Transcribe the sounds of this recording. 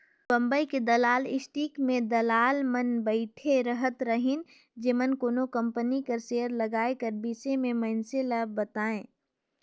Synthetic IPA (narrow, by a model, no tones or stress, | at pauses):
bə̃mbəiked̪ɐlaːlɪsʈiːkmẽd̪ɐlaːlmənbəɪʈʰeɾəɦət̪ɾəɦɪn | d͡ʒemənkoːnokə̃mpənikɐɾseːəɾləɡaːekəɾbiːsemẽməɪnseləb̚ːət̪aːẽː